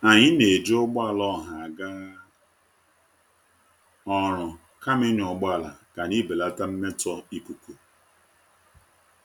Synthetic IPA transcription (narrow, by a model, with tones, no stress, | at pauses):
a˨ɲɪ˦ne˨d͡ʒʊ˦ɡ͡ba˦˨lɔ˦ɦa˨a˨ɡa˦ | ɔ˨ɾʊ˨ | ka˦mɪ˦ɲʊ˨ɡ͡ba˦˨la̰˨ka˨ni˦be˨la˦ta˦m̩˦me˦tɔ˦i˦ku˨ku˨